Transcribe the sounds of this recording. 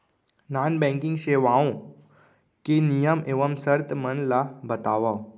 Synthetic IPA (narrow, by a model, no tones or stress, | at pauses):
nanbɛ̃ŋkĩŋɡɕeʋãõ | kenijəmeʋəmsəɾt̪ʰmənlabət̪aʋaw